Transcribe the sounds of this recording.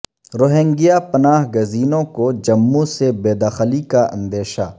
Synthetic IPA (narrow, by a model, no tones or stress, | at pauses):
ɾoːɦẽŋɡijapɐnaːɦɡɐziːnõkod͡ʒɐmːusebeːd̪aːxlikaɐ̰̃nd̪eːʃa